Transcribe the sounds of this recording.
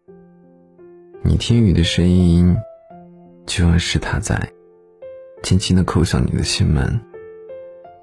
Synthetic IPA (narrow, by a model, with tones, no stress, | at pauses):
nḭ˨˩t̪ʰi˥ŋy˨˩d̪ə˦ʂə˥ni˥n | t͡ɕo˧˥ʊa˥˧ɪʂɻ̩˥˩t̪ʰa˥t͡sa̰˥˩ɪ | t͡ɕʰɛ˥nt͡ɕʰi˥d̪ə˨kʰo˥˧ʊɕjɑ̰˥˩ŋnḭ˨˩d̪ə̰˦ɕi˥nmə̰˧˥n